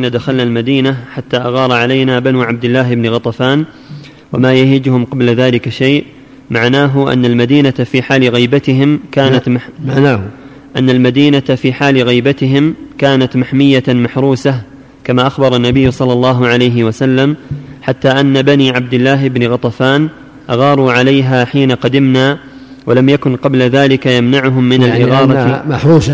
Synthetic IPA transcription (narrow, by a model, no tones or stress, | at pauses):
nːad̪axalnalmad̪iːnaħat̪ːaːʔaɣɑːɾˤɑʕalajnaːbanuːʕab̚d̪ɪlːaːɦɪbnɪɣɑt̪ˤɑfaːn | wa̰maːjahɪd͡ʒhʊmqɑblðaːlɪkaʃajʔ | maʕnaːɦʊʔa̰nːalmad̪iːnat̪afiːħaːlɪɣijbat̪ɪɦɪmkaːnat̪aaː | ʔanːalmad̪iːnat̪afiːħaːlɪɣijbat̪ɪɦɪmkaːnat̪maħmɪjːamaħɾˤuːsah | kamaːʔaxbɑɾˤɑnːabɪjːʊsˤɑlːɑlˤːɑːɦʊʕalajɦɪwasalːamħat̪ːaːʔanːabaniːʕab̚d̪ɪlːaːɦɪbnɪɣɑt̪ˤɑfaːn | ʔaɣɑːɾˤuːʕalajɦaːħiːnaqɑd̪ɪmnaːwalamjakʊnqɑblaðaːlɪkajamnaʕʊɦʊmːɪnalʔʔɪɣɑːɾˤɑmaħɾuːs